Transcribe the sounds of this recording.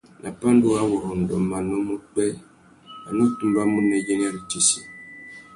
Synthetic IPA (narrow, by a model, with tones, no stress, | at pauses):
nʔa˨pa˦n˦do˦a˦wɔ˨ɾɔ˨n̩˨dɔ̰˨ma˨nə˦mu˦k͡pɛ˦ | a˨no˦tu˦mba˦mu˦nɛ˨je˦n˦a˦ɾi˨t͡ʃi˨si˨